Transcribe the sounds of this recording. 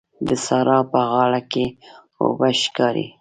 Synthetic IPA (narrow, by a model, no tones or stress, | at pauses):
d̪əsɑɾɑpəɣɑɽake | o̰baʃkɑɾḭ